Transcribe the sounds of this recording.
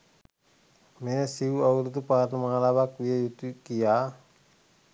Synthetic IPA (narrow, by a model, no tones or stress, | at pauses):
measiuauɾut̪upanamaŋalawak̚wijajut̪ukia